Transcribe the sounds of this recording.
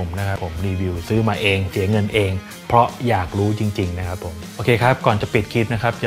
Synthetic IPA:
o˩˦mna˦˥kʰa˦˥pʰːo˩˦mɾiː˧wi˧wsɯː˦˥maː˧ʔeː˧ŋsi˨˩˦ɐŋɤ˧nʔeː˧ŋ | pʰɾɔ˦˥jaː˨˩k̚ɾuː˦˥t͡ɕi˧ŋt͡ɕi˧ŋna˦˥kʰa˦˥pʰːo˨˩˦mʔoː˧kʰeː˧kʰa˦˥p̚kɔː˨˩nt͡ɕa˨˩pi˨˩t̪̚kʰi˦˥t̪̚na˦˥kʰa˦˥p̚t͡ɕa˨˩

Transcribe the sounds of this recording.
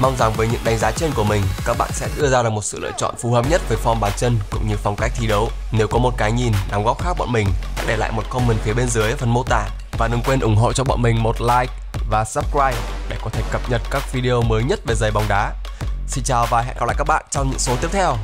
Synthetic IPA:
ma˧wŋ͡mza˨˩ŋvəː˨˦ɲɨ̰˧˥ŋɗa˨˦jŋ̟zaː˨˦t͡ɕe˧nku˧˩əmï˨˩ŋ̟kaː˦˥k̚ɓa̰ː˧˨nsɛ̰˧˥ɗɨ˧əzaː˧ɗɨ˨˩k̚mo˨˩t̚sɨ̰˧˨lə̰ː˧˨jt͡ɕɔ̰˧˨nfu˨˦həː˨˩p̚ɲə˦˥t̚vəː˨˦jfɔ˧mɓaː˨˩nt͡ɕə˧nkʊ̰˧˥ŋ͡mɲɨ˧fɔ˨˩wŋ͡mka˦˥jk̚t̪ʰi˧˦ɗə˨˦w | ne˨˦wkɔ˨˦mo˨˩t̚kaː˨˦jɲi˨˩nɗa˨˦wŋ͡mɣɔ˦˥p̚xaː˦˥k̚ɓɔ̰˧˨mï˨˩ŋ̟ɗa̰ː˧˥ɗe˧˩la̰ː˧˨jmo˨˩t̚kɔ˧nmə˨˩nfi˨˦əɓe˧nzɨ˨˦jfə˨˩nmo˧t̪a̰ː˧˩˨ | vaː˨˩ɗɨ˨˩ŋkwe˧nʔʊ˧˩ŋ͡mɦo̰˧˨t͡ɕɔ˧ɓɔ̰˧˨nmï˨˩ŋ̟mo˨˩t̚laː˧jk̚ | vaː˨˩səː˦˥p̚kɹaː˧jɗe˧˩kɔ˨˦t̪ʰe˧˩kə˨˩p̚ɲə˨˩t̚kaː˦˥k̚vi˧ɗi˧ʔo˧məː˨˦jɲə˦˥t̚ve˨˩zə˨˩jɓa˨˩wŋ͡mɗaː˨˦ | si˧ŋ̟t͡ɕaː˨˩wvaː˨˩ɦa̰˧˨nʔaː˧wla̰˧˨ka˦˥k̚ɓa̰ː˧˨nt͡ɕɔ˧wŋ͡mɲɨ̰˧˥ŋso˨˦t̪i˦˥əp̚t̪ʰɛ˧w

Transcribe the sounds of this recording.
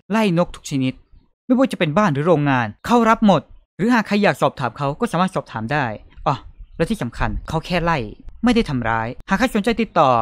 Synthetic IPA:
la˥˩jno˦˥k̚t̪ʰu̥˦˥k̚t͡ɕʰa˧ni˦˥t̪̚ | ma˥˩jbɔː˧˥˩t͡ɕa˨˩pe˧nbaː˥˩nɾɯː˩˦ɾoː˧ŋːaː˧nkʰa˥˩wɾa˦˥p̚mo˨˩t̪̚ | ɾɯː˩˦ɦaː˨˩kʰa˧jːaː˨˩k̚sɔː˨˩p̚t̪ʰaː˩˦mkʰa˦˥wkɔː˥˩saː˩˦maː˥˩t̪sɔː˨˩p̚t̪ʰaː˩˦mdaː˥˩jʔɔ˧˩lɛ˧˦˥wt̪ʰiː˥˩sa˩˦mkʰa̰˧nkʰa˦˥wkʰɛː˥˩la˥˩jma˥˩jda˥˩jt̪ʰa˧mɾa̰ː˦˥jhaː˨˩kʰa˧˥jsu˩˦nt͡ɕa˧jt̪i˨˩t̪ːɔː˨˩

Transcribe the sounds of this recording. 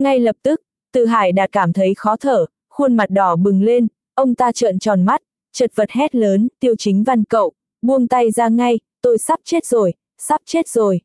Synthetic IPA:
ŋa˧jlə˨˩p̚t̪ɨ˦˥k̚ | t̪ɨ̰˧˨˩ɦaː˧˩jɗa̰ː˧˩kaː˧˩mt̪ʰə˨˦jxɔ˨˦t̪ʰəː˧˩ | xu˧ənma˨˩t̚ɗɔ˧˩ɓɨ˨˩ŋle˧n | ʔə˧wŋ͡mt̪aː˧t͡ɕə̰˧˨nt͡ɕɔ˨˩nma˦˥t̚ | t͡ɕə˨˩t̚və˨˩t̚hɛ˦˥t̚ləː˨˦nt̪i˧əwt͡ɕï˨˦ŋ̟va˧nkə̰˧˨w | ɓu˧əŋt̪a˧jzaː˧ŋa˧jt̪o˧jsa˦˥p̚t͡ɕe˦˥t̚zo˨˩j | sa˦˥p̚t͡ɕe˦˥t̚zo˨˩j

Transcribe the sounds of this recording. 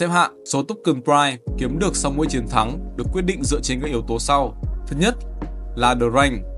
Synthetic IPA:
sɛ˧˥p̚ɦa̰ː˧˨ʔso˨˦t̪ʊ˦˥k͡p̚kɨ˨˧˩npɹaː˧jki˨˦əmɗɨ˨˩ək̚sa˧wmṵ˧˨jt͡ɕi˨˦ənt̪ʰa˨˦ŋɗɨ˨˩ək̚ːwi˦˥ət̚ɗḭ˧˨ŋ̟zɨ̰˧˨t͡ɕe˧nkaː˦˥k̚ʔi˨˦əwt̪o˨˦sa˧wt̪ʰɨ˦˥k̚ɲə˦˥t̚laː˨˩ɗəː˨˩za˧jŋ̟

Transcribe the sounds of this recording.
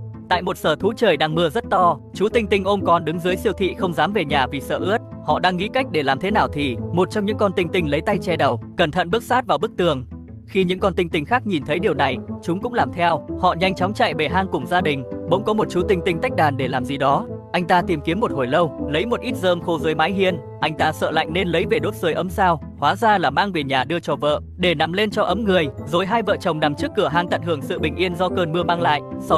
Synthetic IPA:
t̪a̰ː˧˨jmo˨˩t̚səː˧˩t̪ʰu˨˦t͡ɕəː˨˩jɗaː˧ŋmɨ˧əzə˦˥t̚t̪ɔ˧t͡ɕu˨˦t̪ï˧ŋt̪ï˧ŋ̟ʔo˧mkɔ˨˩nɗɨ˨˦ŋzɨ˨˦əjsi˧əwt̪ʰḭ˧˨xə˧wŋ͡mzaː˨˦mve˨˩ɲaː˨˩vi˨˩sə̰ː˧˩ʔɨ˦˥ət̚hɔ̰˧˨ɗaː˧ŋːḭ˧˥ka˦˥jk̚ɗe˧˩laː˨˩mt̪ʰe˨˦naː˨˩wt̪ʰi˨˩mo˨˩t̚t͡ɕɔ˧wŋ͡mɲɨ̰˧˥ŋkɔ˧nt̪ï˧ŋ̟t̪ï˧ŋ̟lə˨˦jt̪a˧jt͡ɕɛ˧ɗə˨˩wkə˧˩nt̪ʰə̰˧˨nɓɨ˦˥k̚saː˦˥t̚vaː˨˩wɓɨ˦˥k̚t̪ɨ˨˩əŋ | xi˧ɲɨ̰˧˥ŋkɔ˧nt̪i˧ŋ̟t̪ï˧ŋ̟xaː˦˥k̚ɲi˨˩nt̪ʰə˨˦jɗi˨˩əwna˨˩jt͡ɕʊ˨˦ŋ͡mkʊ̰˧˥ŋ͡mlaː˨˩mt̪ʰɛ˧whɔ̰˧˨ɲa˧jŋ̟t͡ɕaɔ˨˦wŋ͡mt͡ɕa̰˧˨jve˨˩ɦaː˧ŋkʊ˨˩ŋ͡mzaː˧ɗï˨˩ŋ̟ɓo̰˧˥ŋ͡mkɔ˨˦mo˨˩t̚t͡ɕu˨˦˥t̪ï˧ŋ̟t̪ï˧ŋ̟t̪a˦˥jk̟̚ɗaː˨˩nɗe˧˩laː˨˩mzi˨˩ɗɔ˨˦ʔa˧jŋ̟t̪aː˧t̪i˨˩mki˨˦əmːo˨˩t̚ho˨˩jlə˧wlə˨˦jmo˨˩t̚ʔi˦˥t̚zəː˧mxo˧zəː˨˦jmaː˨˦jɦi˧ən | ʔa˧jŋ̟t̪aː˧sə̰ː˧˨la̰˧˨jŋ̟ne˧nlə˨˦jve˨˩ɗo˦˥t̚sɨ˨əjʔə˨˦msaː˧w | hwaː˨˦zaː˧laː˨˩maː˧ŋve˨˩ɲaː˨˩ɗɨ˧ət͡ɕɔ˧˩və̰ː˧˨ʔ | ɗe˧˩na˨˦mle˧nt͡ɕɔ˧ʔə˨˦mŋɨ˨˩əjzo˨˦jɦaː˧jvə̰ː˧˨t͡ɕə˨˩wŋ͡mna˨˩mt͡ɕɨ˦˥kːɨ˧˩əɦaː˧ŋt̪ə̰˧˨nhɨ˧˩əŋsɨ̰˧˨ɓï˨˩ŋ̟ʔi˧ənzɔ˧kəː˧nmɨ˧əmaː˧ŋla̰ː˧˨jʔsɔ˧

